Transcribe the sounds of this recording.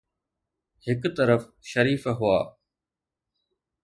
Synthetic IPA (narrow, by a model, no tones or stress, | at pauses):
hɪkt̪əɾəfʃəɾiːfɦʊaː